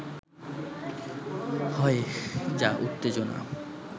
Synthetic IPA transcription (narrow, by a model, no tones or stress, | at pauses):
hɔed͡ʑaʔut̪ːed͡ʑona̰